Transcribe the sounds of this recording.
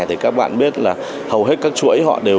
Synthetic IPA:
jt̪ʰi˨˩kaː˦˥k̚ɓa̰ː˧˨nɓi˦˥ət̚laː˨˩ | hə˨˩wɦe˦˥t̚kaː˦˥k̚t͡ɕu˧ʔə˦jɦɔ̰˧˨ɗe˨˩

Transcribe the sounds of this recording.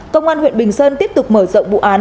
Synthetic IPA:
kə˧wŋ͡mʔaː˧nhw̰ḭ˧˨nɓï˨˩ŋ̟səː˧nt̪i˦˥əp̚t̪ʊ˨˩k͡p̚məː˧˩zɔ̰˧˨wŋ͡mvṵ˧˨ʔaː˨˦n

